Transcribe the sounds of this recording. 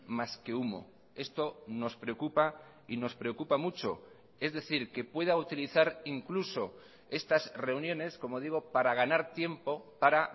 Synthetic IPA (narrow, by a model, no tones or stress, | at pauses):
maske̞umo̞̰ | e̞st̪o̞no̞spɾe̞okupa | ino̞spɾe̞o̞kupamut͡ʃo̞̰ | e̞zðe̞θiɾke̞pwe̞ð̞aut̪iliθaɾiŋkluso̞ | e̞st̪asre̞unjõ̞ne̞sko̞mo̞ðiɣ̞o̞paɾaɣ̞anaɾt̪je̞mpo̞paɾa